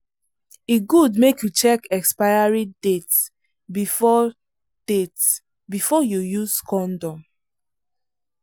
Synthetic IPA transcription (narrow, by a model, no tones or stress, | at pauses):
iɡudmekjut͡ʃɛkɛkspajaɹidet | bifɔ | d̥et | bifɔjujuskɔ̃ndɔ̃m